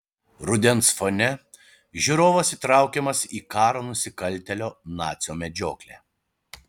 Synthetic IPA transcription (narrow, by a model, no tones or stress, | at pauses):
ɾʊd̪ʲɛnsfonʲɛ | ʒʲuːɾoːʋɐsiːt̪ɾɑˑʊkʲɛmɐsiːkɑːɾoːnʊsʲɪkɐlʲˑt̪ʲɛlʲoːnɑːt̪sʲɪjoːmʲɛd͡ʒʲoːklʲæː